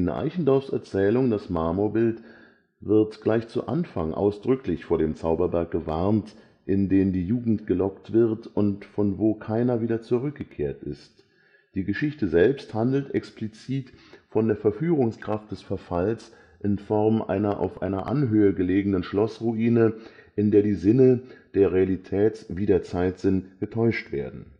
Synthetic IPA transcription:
nə̰ʔa̰ɪçn̩dɔɐfsɛɐt͡sɛːlʊŋd̥asmaɐmoɐbɪlt | v̥ɪɐtɡ̥laɪçt͡sṵʔa̰nfaŋʔa̰ʊsd̥ʁʏklɪçfoːɐɾeːmt͡saʊbɐbɛɐk̚ɡ̥əvaʁnt | ʔɪndeːmdiːjuːɡŋ̩tɡ̥əlɔktv̥ɪʁtʊntfɔnvoːkʰaɪnɐviːdɐt͡suʁʏk̚ɡ̥əkʰeːɐtɪ̰st | d̥iːɡəʃɪçtəzɛlpsthandl̩tʔɛ̰ksplit͡siːtfɔndeːɐfɛɐfyːʁ̞ʊŋskʁ̥aft̚d̥ɛsfɛɐfals | ʔɪnfɔʁmʔa̰ɪnɐʔa̰ʊfʔa̰ɪnɐʔa̰nɦøːəɡəleːɡənənʃlɔsʁuʔiːnəʔɪndeːɐdiːzɪnəd̥eːɐʁealitʰɛːtviːdeːɐt͡saɪtz̥ɪntɡ̥ətʰɔʏʃtv̥eːɐdn̩

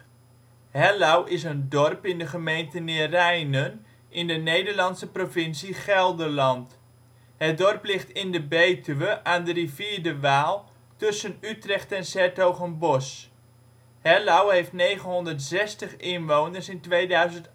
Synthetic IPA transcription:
hɛlawʔɪs̬əndɔrpɪndəχəmejntənɪːrɛjnən | ʔɪndənejdəɹlɑnsəprovɪnsiχɛlˠdəlɑnt | hət̚dɔrplɪχtɪndəbejtʰyʋəʔaːndəriviːɹdəʋaːlˠ | tɵsənytrɛχtɛnsɛɹtowχənbɔs | hɛlawɦejftnejχənɦɔndəɹtsɛstəχɪnʋownəɹsɪntʋejdœɥzənt

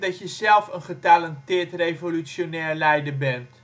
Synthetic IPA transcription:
dɑtjəzɛlˠfənχətaləntɪːtrejvolysjonɛːɹlɛjdəbɛnt

